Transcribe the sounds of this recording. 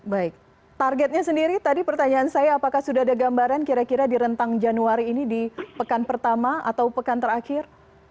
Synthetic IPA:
baɪk̚ | t̪arɡɛt̪̚ɲasəndiɾit̪adipərt̪aɲaːnsajaːpakahsudaadaɡambaɾankiɾakiɾadiɾənt̪aŋd͡ʒanuaɾiːnidipəkanpərt̪amaa̰t̪awpəkant̪əɾakɪr

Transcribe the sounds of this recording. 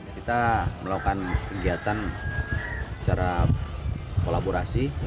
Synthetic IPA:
kit̪aməlakukankəɡiat̪an | ssə̥t͡ʃaɾa | kolaboɾasi

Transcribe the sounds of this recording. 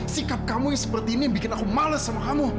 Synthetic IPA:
sikap̚kamujŋsəpərt̪iːnibikɪnakumaləsamakamu

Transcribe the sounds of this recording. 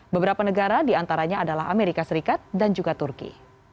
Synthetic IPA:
bəbəɾapanəɡaɾadiant̪aɾaɲaːdalaɦameɾikasəɾikat̪̚dand͡ʒuɡat̪urkḭ

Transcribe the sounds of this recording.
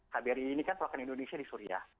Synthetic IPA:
habiɾiinikanpulakanindonesiadisuɾia̰h

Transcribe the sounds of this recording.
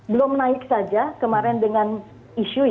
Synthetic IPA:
bəlʊmnaɪk̚sad͡ʒakəmaɾɛndəŋan | iʃu

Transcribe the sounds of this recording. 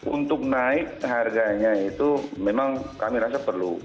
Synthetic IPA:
ʔunt̪ʊk̚naɪk̚ɦarɡaɲait̪umemaŋkamiɾasapərlu

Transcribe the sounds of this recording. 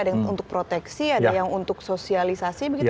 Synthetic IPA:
adaṵnt̪ʊk̚pɾot̪ɛksiadajaŋunt̪ʊksosialisasibəɡi

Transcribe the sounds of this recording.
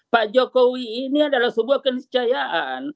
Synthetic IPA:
pad͡ʒokowiːniadalahsəbuahkənist͡ʃajaʔan

